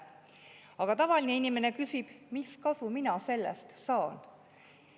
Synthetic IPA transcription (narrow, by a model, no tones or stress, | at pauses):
ɑɡ̥ɑt̪ɑvɑlʲineinime̞ne̞kysib̥miskɑsuminɑse̞lːḛst̪sɑːn